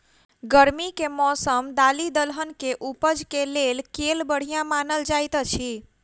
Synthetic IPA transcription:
ɡəɾmikemɔsəmd̪alid̪əlɦənkeʔupəd͡ʒkelelkelbəɽ̤ijãmanəld͡ʒajt̪t͡ʃʰi

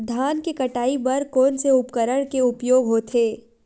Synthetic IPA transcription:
d̪ʱaːnkekɐʈaːibɐɾkoːnseʊpkəɾəɽ̃keʊpjoːɡɦoːt̪ʰeː

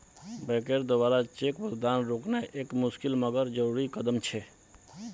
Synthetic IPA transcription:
bɛkeɾd̪obaɾat͡ʃekbəɡd̪anɾoknɛʔekmʊskilməɡəɾd͡ʒəɾuɾikəd̪əmt͡ʃʰɛ

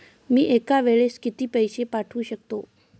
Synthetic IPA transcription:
miːʔekaʋeɭeskit̪iːpəjsepaʈʰuːɕək̚t̪o

